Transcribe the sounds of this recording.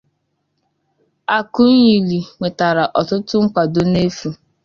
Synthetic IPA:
a˨kʊ˦n̩˦ɲi˨li˨ŋʷe˨ta˨ɾa˨ʔɔ˨tʊ˦tʊ˦ŋ̩˦kʷa˨do˨ne˦fu˨

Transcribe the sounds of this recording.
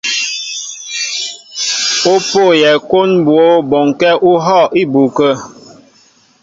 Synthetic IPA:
o˦po˦˨jɛ˨ko˦nbwo˨˦bɔ˨ŋkɛ˦ʔu˦ɦɔ˦˨ʔi˦bu˨kə˦

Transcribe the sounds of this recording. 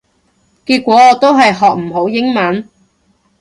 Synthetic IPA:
kiː˧t̚kʷɔː˨˥ɔː˨˧˥t̪o˥wɦɐ˨jɦɔː˨k̚m̩˨˩ɦo˨˥wjɪ˥ŋmɐ˨˥n

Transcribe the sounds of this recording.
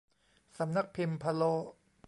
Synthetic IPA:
sa˩˦mna˦˥k̚pʰi˧mpʰa˧loː˦˥

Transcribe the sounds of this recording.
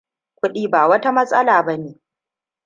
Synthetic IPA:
kʷʊ˦ɗiː˦baː˨wɐ˦ta˦mɐ˦sʼɐ˦laː˨bɐ˦neː˨

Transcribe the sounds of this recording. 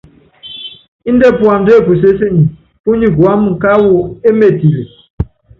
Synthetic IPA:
i˦n̩˦de˦pu˨a˨m˨de˦˨pu˨s̬e˦se˦ɲi˨ | pu˦ɲi˦ɡwa˨˦mu˨ka˦wo˨e˦me˨ti˨le˨

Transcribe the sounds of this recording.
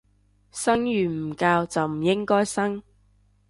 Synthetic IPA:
sɐ˥ŋjyː˨˩m̩˨˩kaː˧wt͡sɐ˨wm̩˨˩jɪ˥ŋkɔː˥jsɐ˥ŋ

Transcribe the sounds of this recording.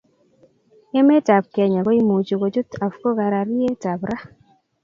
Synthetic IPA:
ɛ˦mɛ˦ta˨b̚kɛ˨ɲa˨ɡo˦i˦mo˨t͡ʃo˨ko˨d͡ʒo˦ta˨fko˦ka˨ɾa˨ɾi˦e˦ta˨bɾa˦

